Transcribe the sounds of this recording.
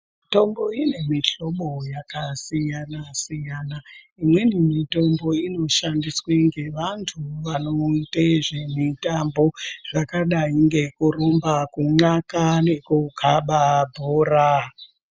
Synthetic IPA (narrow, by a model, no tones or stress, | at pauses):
to̞mbo̞ine̞miɬo̞ɓo̞jakasijanasijana | imwenimito̞mbo̞ino̞ʃandisweŋɡe̞ʋantʰuʋano̞iteʐemitambo̞ʐ̥akaɗaiŋɡe̞kurombakuŋ͡ǁakane̞kukʰaɓabʱoːra